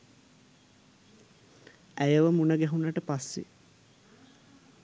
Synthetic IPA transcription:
æjəʋəmunəɡæɦunːəʈəpasːḛ

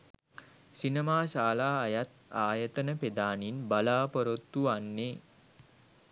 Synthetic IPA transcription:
sinemaːsaːlaːjat̪aːjət̪ənəped̪aːninbalaːpəɾot̪ːuanːe

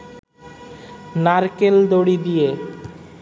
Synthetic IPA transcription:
naɾkeld̪oɽid̪ije

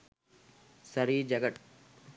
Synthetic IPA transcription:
sɐɾid͡ʒɐɡɐʈ

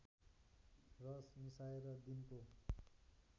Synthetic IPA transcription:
rʌsnĩsaeɾʌd̪inko

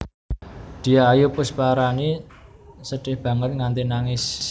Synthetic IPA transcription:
d̪̥i̤aːjupʊspaɾani | səɖ̥ɪhb̥ä̤ŋət̪̚ŋant̪inaŋɪs

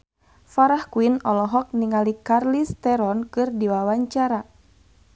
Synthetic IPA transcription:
faɾahkuinɔlɔɦɔk̚niŋalikarlist̪ɛɾɔnkɨrdiwawaɲt͡ʃaɾa

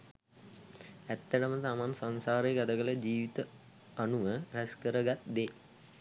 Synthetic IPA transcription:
æt̪ːəʈəmət̪amansansaːɾəjɡad̪əɡələd͡ʑiːʋit̪ə | anuʋəræskəɾəɡat̪̚d̪e

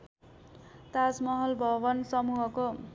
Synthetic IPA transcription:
t̪asmʌɦʌlbʱʌbʌnsʌmuɦʌko

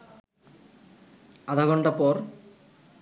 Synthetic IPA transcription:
ad̪ʱaɡɔɳɖapɔɾ

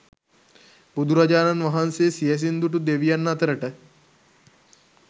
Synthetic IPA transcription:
bud̪ʱuɾad͡ʒaːnanʋɐɦansejesijɐs̬ind̪uʈud̪eʋijanːat̪əɾəʈə

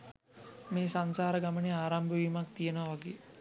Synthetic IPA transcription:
meːsansaːɾəɡaməneaːɾambəʋimak̚t̪ijənəʋaʋaɡeː

